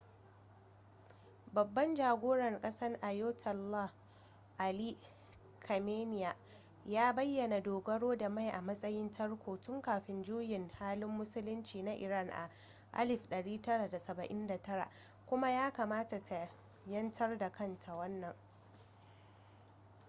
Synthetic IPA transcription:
bɐ˨bːɐ˦nd͡ʒaː˨ɡʷoː˦ɽɐ˨rkʼɐ˦sɐ˦rʔa˨joː˦tʰɐ˨lːa˦ | ʔa˨liː˦ | kʰɐ˨meː˦nɪ˨ja˨ | jaː˦bɐ˦jːɐ˨na˨doː˨ɡɐ˦ɽoː˦da˨ma˦˨jʔa˨mɐ˦sʼɐ˦jɪ˦ntʰɐ˦rkʷoː˨tʊ˦ŋkaː˨ɸɪ˨˦nd͡ʒuː˦jɪ˨ŋhaː˦lɪ˦mːʊ˦sʊ˦lʊ˦nt͡ʃiː˨na˦ʔɪ˨ɾa˦˨nʔa̰˨ | ʔa̰˦lɪ˨ɸɗɐ˨ɽiː˦tɐ˦ɽa˨da˨sɐ˨bɐ˨ʔɪ˦nda˨tɐ˦ɽa̰˨ʔ | kʷʊ˦ma˦jaː˦kaː˨maː˦ta˨tʰa˨ | jɐ˦ntʰɐ˦rda˨kʰɐ˦ntʰa˨wɐ˦nːɐ˨ŋ

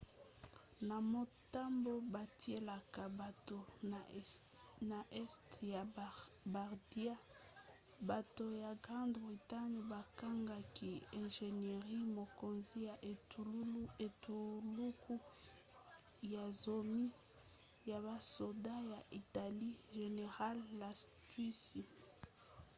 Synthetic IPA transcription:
na˨mo˨ta˦mbo˦ba˨ti˦e˦la˨ka˨ba˨to˨ | na˨ʔɛ˦stja˨ba˨ʁdi˦a˦ | ba˨to˨ja˨ɡʁã˦ndbʁi˨ta˦ni˨ba˨ka˦ŋɡa˨ki˨ɛ̃˨ʒe˨ne˨ʁi˦mo˨ko˨nzi˦ja˨ʔe˨˦e˨tu˨lu˦ku˦ | ja˨zo˨mi˦ | ja˨βa˨so˨da˦ja˨ʔi˨ta˨li˦ʒe˨ne˨ʁa˦lːa˨stwi˦si˨

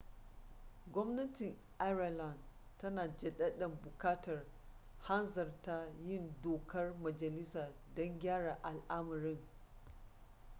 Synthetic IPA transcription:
ɡʷɔ˦mnɐ˦tɪ˨ŋ | ʔa˦ɾa˨la˨nd | tːɐ˦naː˨d͡ʒɛ˨ɗɐ˦ɗɐ˨mbʊ˨kaː˦tɐ˨r | ha˦nzɐ˨rta˦jɪ˦ndoː˨kʰɐ˦rmɐ˨d͡ʒɐ˨lɪ˦saː˨ | dɔ˦ŋɡʲaː˦ɽa˨ʔa˨lʔa˦mɐ˨ɾɪ˦ŋ

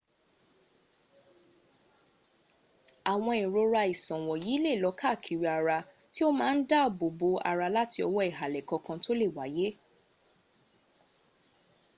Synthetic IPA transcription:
a˨w̃ɔ̃˧i˨ɾo˧ɾa˧i˨sɔ̃˨w̃ɔ̃˨ji˨˦le˦˨lɔ˨˦kʰa˦˨kʰi˨ɾi˧a˨ɾa˧ | ti˦o˦mãː˦n̩˦da˦˨bo˨bo˧a̰˧ɾa˧la˦ti˧ɔ˧wɔ˦ɛ˦˨ɦa˨lɛ˨kɔ̃˧kã˧to˦le˦˨wa˨˦je˦

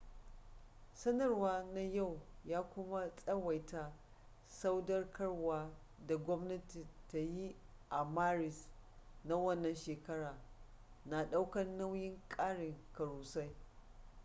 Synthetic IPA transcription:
sɐ˦nɐ˨rwaː˦na˦ja˦˨wjaː˦kʷʊ˦ma˦sʼɐ˦wa˨jta˦ | sa˦wdɐ˦rkɐ˦rwaː˦ | da˨ɡʷɔ˦mnɐ˦ti˨ta˨ji˦ | ʔa˨maː˦ɾɪ˨sna˦wɐ˦˨nːɐ˨nʃeː˨kɐ˦ɽaː˨ | na˨ɗa˦wkɐ˦nna˦wjɪ˦ŋkʼaː˦ɽɪ˨ŋkɐ˨ɽuː˨sa˦j

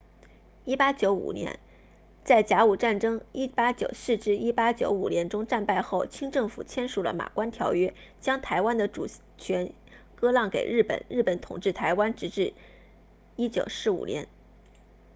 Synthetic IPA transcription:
i˥pa˥t͡ɕjo˧˥ʊṵ˨˩njɛ̰˧˥n | t͡sa˥˩ɪt͡ɕja˧˥u˨˩ʈ͡ʂa˥˩nʈ͡ʂɤ˥ŋi˥pa˥t͡ɕjo̰˨˩ʊsɹ̩˥˧ʈ͡ʂɻ̩˥˧i˥pa˥t͡ɕjo˧˥ʊu˨˩njɛ˧˥nʈ͡ʂʊ˥ŋʈ͡ʂa˥˧npa˥˧ɪxo˥˩ʊt͡ɕʰi˥ŋʈ͡ʂɤ˥˩ŋfṵ˨˩t͡ɕʰjɛ˥nʂu˨˩lə̰˦ma̰˨˩kwa˥nt̪ʰjɑ˧˥ʊɥɛ˥t͡ɕjɑ˥ŋt̪ʰa˧˥ɪwa˥nd̪ə˨ʈ͡ʂu˨˩ | t͡ɕʰɥɛ˧˥n | kɤ˥lɑ˥˩ŋkḛ˨˩ɪɻɻ̩˥˩pə̰˧˩˦nɻ̩˥˩pə˧˥nt̪ʰʊ̰˨˩ŋʈ͡ʂɻ̩˥˩t̪ʰa˧˥ɪwa˥nʈ͡ʂɻ̩˧˥ʈ͡ʂɻ̩˥˩ | i˥t͡ɕjo˨˩ʊʂɻ̩˧˥ṵ˨˩njɛ̰˧˥n

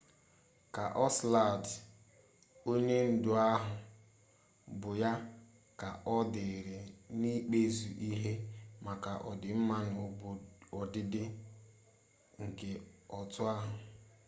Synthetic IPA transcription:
ka˨ʔɔ˦sla˦˨d | o˦ɲe˦n̩˦dʊ˨a˦ɦʊ˨ | bʊ˨ja˦ | ka˨ʔɔ˦dɪ˨ɾe˨ni˦k͡pe˦zu˨ʔi˦ɦe˦ma˨ka˨ʔɔ˨dɪ˨m̩˦ma˦ɲ˨ɔ˨dɪ˦dɪ˦ | ŋ̩˨ke˨ɔ˨tʊ˦a˦ɦʊ˨

